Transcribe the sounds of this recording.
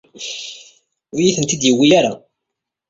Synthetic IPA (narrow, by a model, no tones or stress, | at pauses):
ʊɾjiθənt̪id̪jiwːijaɾa